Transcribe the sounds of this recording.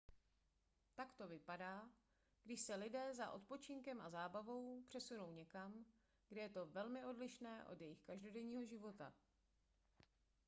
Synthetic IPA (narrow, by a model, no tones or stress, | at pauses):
t̪akt̪o̞vɪpadaː | ɡdɪʃsɛlɪdɛːza̰ʔo̞t̪̚po̞t͡ʃɪŋkɛmazaːbavo̞wpr̝̥ɛsuno̞wɲɛkam | ɡdɛjɛt̪o̞vɛlmɪo̞dlɪʃnɛːʔo̞d̪jɛjɪxkaʒdo̞dɛɲiːɦo̞ʒɪvo̞t̪a̰